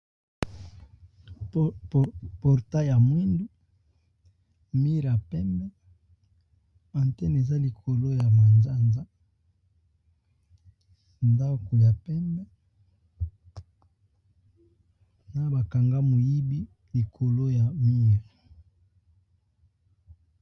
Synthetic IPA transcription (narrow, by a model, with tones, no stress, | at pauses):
pɔ˨ʁta˦ja˨mwi˦ndu˦ | mi˦ʁja˨pɛ˦mbɛ˦ | ã˨ntɛ˦ne˨za˦li˨kʰo˨lo˦ja˨ma˨nza˦˨nza˦ | nda˦ko˨ja˨pɛ˦mbɛ˦ | na˨ba˨ka˨ŋɡa˦mo˨ji˦bi˦ | li˨kʰo˨lo˦ja˨mi˦ʁ